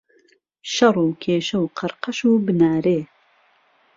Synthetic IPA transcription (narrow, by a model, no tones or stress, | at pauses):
ʃɐrˤuːkʰeːʃɐwqʰɨɾqɐʃuːbɨnaːɾeː